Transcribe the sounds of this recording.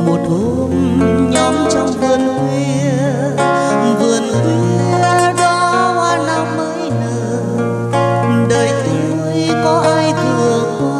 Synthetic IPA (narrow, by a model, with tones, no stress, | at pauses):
mo˨˩t̚ho˧m | ɲɔ˨˦mt͡ɕɔ˧wŋ͡mvɨ˨˩ənkwe˧ | vɨ˨˩ənʔu˨˧˦i˧zɔ˧waː˧˩na˧˦mməː˨˦jnɨ˧˩˨ | ɗəː˨˩jt̪ɨ˨˦mu˧˦jkɔ˨˦ʔaː˧jt̪ʰɨ˧˨˩ə˧